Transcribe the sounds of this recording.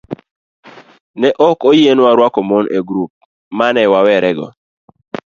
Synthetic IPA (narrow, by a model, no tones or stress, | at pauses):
nɛʔɔkojenwaɾwakɔmonʔeɡɾup̚ | manɛwawɛɾɛɡɔ̰